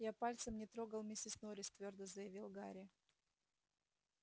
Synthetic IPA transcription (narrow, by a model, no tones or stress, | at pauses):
japalʲt̪səmnʲɪt̪ɾoɡəlˠmʲɪsʲɪsnoɾʲɪsʲt̪vʲo̞rd̪əzəjɪvʲilˠɡaɾʲɪ